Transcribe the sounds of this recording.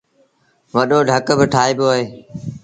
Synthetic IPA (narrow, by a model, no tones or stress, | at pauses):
ʋəɗoːɖʱəkbɪʈʰaːiːbjoːɦeː